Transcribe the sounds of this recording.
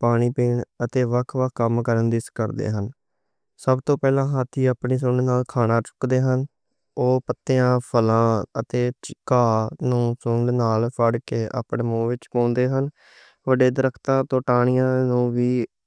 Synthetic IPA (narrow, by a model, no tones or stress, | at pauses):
paːɽ̃iːpiːɳət̪eːʋəkʰʋəkʰkəmkəɾənd̪ɪskəɾd̪ḛːɦən | səbt̪õːpɛːlãːɦaːt̪ʰːiːaːpɳiːs̬ʊɳɖnaːlkʰaːnaːt͡ʃʊ̥kd̪eːɦən | oːpət̪ːeãːpʰəlãːət̪eːt͡ʃɪkaːnũːsʊɳɖnaːlpʰəɖkeːʔa̰ːpɳeːmõːʋɪt͡ʃpãːnd̪eːɦən | ʋəɖeːd̪əɾəkʰt̪ãːt̪õːʈaːɳ̃ɪjãːnũːʋiː